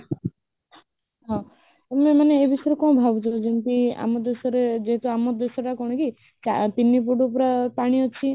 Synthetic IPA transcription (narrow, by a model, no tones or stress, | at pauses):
ɦɔ̃ | ememaneebisɔeɾekɔñbʱabɔt͡ʃʰɔd͡ʒinʈia̰mɔd̪esɔɾed͡ʒeɦet̪uamɔd̪esɔʈakɔɽ̃ɔki | t͡ʃa̰pinːipuɖupɾapaɽ̃iɦɔt͡ʃʰi